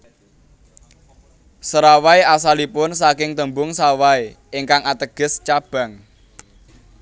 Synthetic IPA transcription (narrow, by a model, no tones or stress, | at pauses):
səɾawaeas̬alipʊnsakɪŋt̪əmbʊŋsawae | ɪŋkaŋat̪əɡ̥ə̤st͡ʃab̥ä̤ŋ